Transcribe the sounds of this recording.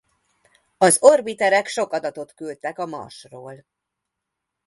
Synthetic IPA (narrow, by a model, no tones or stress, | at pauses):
ɒzo̞rbit̪ɛɾɛkʃo̞kɒd̪ɒt̪o̞t̪kylt̪ɛkɒmɒ̰ʃroːl